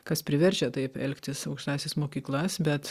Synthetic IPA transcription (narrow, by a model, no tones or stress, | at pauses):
kɐspʲɾʲɪʋʲɛɾʲt͡ʃʲɛt̪ɐɪpɛlʲkt̪ʲɪsɐʊkʃt̪ɑːsʲɛsmoːkʲiːklˠɐsbʲɛt̪